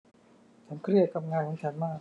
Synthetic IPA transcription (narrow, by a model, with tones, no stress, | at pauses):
t͡ɕʰa˦˥nkʰɾi˥˩ət̪̚kʰa˧mŋaː˧nkʰɔ˨˦ŋt͡ɕʰa˦˥nmaː˥˩k̚